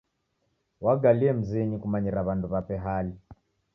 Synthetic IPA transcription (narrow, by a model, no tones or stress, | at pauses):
waɡaliɛm̩ziɲikumaɲiɾaβanduβapɛɦali